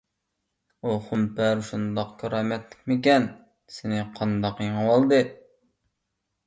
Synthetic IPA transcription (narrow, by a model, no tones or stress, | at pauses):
uχumpæɾʃund̪ɑqkʲʰɑɾɑːmɛt̪lɪ̥k̚ʲmɪk̬ʲɛn | sɪnɪqʰɑnd̪ɑqjiŋɨwɑlˠd̪ɨ